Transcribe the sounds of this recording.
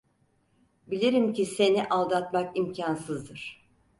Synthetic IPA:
bilʲeɾimcise̞niʔalˠd̪at̪makimcʰansɯzd̪ɯɾ̥

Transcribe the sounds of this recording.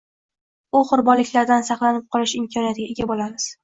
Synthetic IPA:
ʊχʊɾbɒlɪkʲlaɾd̪ansɑχlˠanɪp̚qʰɒlˠɪʃɪmkʲʰɒnijat̪ɪɡʲaeɡʲabolamɪz̥

